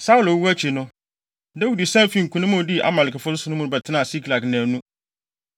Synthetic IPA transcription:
sa˦u˨lo˨˦wu˦æ˦t͡ɕʰi˨nʊ̃˦ | da˦wu˨di˨sã˦m˦fĩ˦˨ŋ̩˨kʰũ˨nʊ̃˦mʊ̃˦˨di˦ʔa̰˨mã˨lɪ˨kʰɛ˨fʊ˦sʊ˦sʊ˨nʊ̃˦mʊ̃˦nʊ̃˦bɛ˨tʰɪ˦nã˦˨si˦kʰla˨knãː˨nũ˦

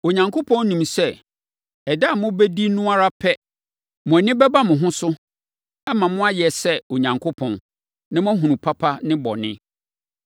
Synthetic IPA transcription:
o˨ɲã˨ŋkʰo˦pʰɔ̃˦nnĩ˨msɛ˦˨ | ɛ˨da˦˨mʊ̃˦bɛ˦di˦nũ˦a˦ɾa˦pʰɛ˦ | mʊ̃˨ɛ˨nɪ̃˦bɛ˦ba˦mʊ̃˨ɦʊ̃˦sʊ˦ | ɛ˦mã˨mʊ̃˦a˦jɛ˨sɛ˦o˨ɲã˨ŋkʰo˦pʰɔ̃˨n | nã˦m˦ã˦ɦũ˨nũ˨pʰa˦pʰa˦nɪ̃˦bɔ̰˨nɪ̰̃˦

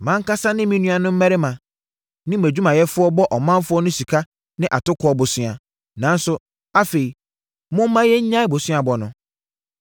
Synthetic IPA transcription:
mã˦ŋ̩˦ka˦sa˦nɪ̃˦mĩ˦nũ˦a˨nʊ̃˦m̩˦mæ˦ɾɪ˦mã˨ | nɪ̃˦m˨æ˨d͡ʑᶣu˦mã˨jɛ˦fʊ˦ɔ˦bɔ˦ʔɔ˨mã˦nfʊ˦ɔ˦nʊ̃˦si˨kʰa˦ | nɪ̃˦ʔa˨tʊ˦kʰɔ˨ɔ˦bʊ˨sɪ˦a˨ | nã˨˦n̩˦sʊ˦ | a˦fe˨i˨ | mʊ̃˦m̩˦mã˦jɛ˦ɲ̩˦ɲã˦ɪ˦˨bo˨sɪ˦a˨bɔ˨nʊ̃˨

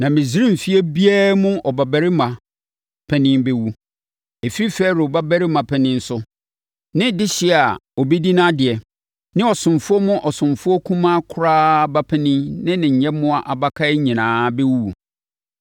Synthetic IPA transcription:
nã˨mɪ̃˨zi˦ɾĩ˦m̩˨fi˦ɛ˦bi˦æː˦mʊ̃˦ɔ˨ba˨bæ˨ɾɪ˦mã˨ | pʰɛ̃˦nɪ̃˦bɛ˦wu˦ | e˨fi˦ɾi˦fɛː˦ɾʊ˨ba˦bæ˦ɾɪ˦mã˨pʰɛ˨nɪ̃˦n̩˦sʊ˦ | nɪ̃˦dɪ˦ɕɪ˦˨a˨ɔ˨be˦di˦nã˦dɪ˨ɛ˨ | nɪ̃˦ɔ˨sʊ̃˨mfʊ˦ɔ˦mʊ̃˦ʔɔ˨sʊ̃˨mfʊ˦ɔ˦kʰũ˦mã˦kʰʊ˦ɾaː˦ba˦pʰɛ˦nɪ̃˦nɪ̃˦nɪ̃˨ɲ̩˨ɲɛ̃˦mʊ̃˦a˨ʔa˨ba˦kʰa˦ɪ˦ɲĩ˨nãː˨˦bɛ˦wu˦˨

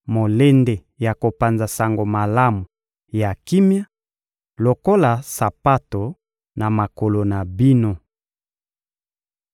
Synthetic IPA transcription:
mo˨le˦nde˨ | ja˨ko˨pa˨nza˨sa˨ŋɡo˨ma˨la˦mu˨ | ja˨ki˦mja˦ | lo˨ko˦la˨sa˨pa˦to˨ | na˨ma˨ko˨lo˨na˨bi˦no˦

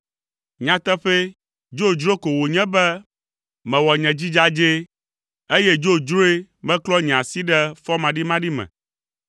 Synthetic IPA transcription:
ɲã˨t̪ɛ˦ɸe˦ | d͡ʒo˦˨d͡ʒɾo˦ko˨wo˨ɲɛ̃˦bɛ˦ | mɛ̃˨wɔ˨ɲɛ̃˨d͡ʑi˦d͡ʒa˦d͡ʒe˦ | e˦je˦d͡ʒo˦d͡ʒɾo˦e˦mɛ̃˦klɔ˦ɲɛ̃˨ã˨si˦ɖɛ˦fɔ˦mã˨ɖi˦mã˦ɖi˦mɛ̰̃˨

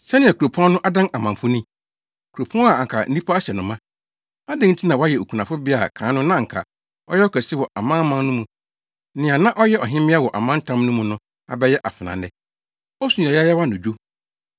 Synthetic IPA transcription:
sɛ˦nɪ̃˨a˨kʰu˨ɾo˨pʰɔ̃˦nʊ̃˦ʔa˦dã˦na˨mã˨ɱ˨fʊ˦nĩ˦ | kʰu˨ɾo˨pʰɔ̃˦a˨ŋ˨kʰa˨n̩˦nĩ˦pʰa˦a˦ɕɛ˨nʊ̃˨mã˦ | a˦dɪ̃˦n̩˦tʰi˦nã˨wa˦jɛ˨o˨kʰũ˨nã˨fʊ˦bɪ˦a˨kʰãː˨˦nʊ̃˦nã˦ŋ̩˨kʰa̰˨ | ɔ̰˦jɛ˦ɔ˦kʰɛ˨sɪ˦wɔ˨ʔa˨mã˦mã˦nʊ̃˦mũ˨ | nɪ̃˨a˨nã˦ʔɔ˦jɛ˦ɔ˨ɦɪ̃˦mɪ̃˦a˦wɔ˨ʔa˨mã˦n̩˦tʰã˦mnʊ̃˦mũ˨nʊ̃˦ | a̰˨bɛ˦jɛ˦ʔa˨fɪ˨nã̰˨nɛ˦ | ɔ˦sũ˨ɲa˨jɛ˦jɛ˦wa˦nʊ̃˨d͡ʑᶣo˦

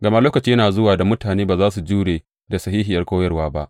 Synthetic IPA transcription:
ɡɐ˨ma˦loː˦kɐ˨t͡ʃiː˦jɐ˦naː˨zʊ˦waː˨da˨mʊ˦taː˨neː˦baː˨zaː˦s̬u˨d͡ʒuː˦ɽeː˨ | da˨sɐ˨ɦiː˦ɦɪ˨jɐ˦rkʷoː˦jɐ˦rwaː˦ba˦ʔ

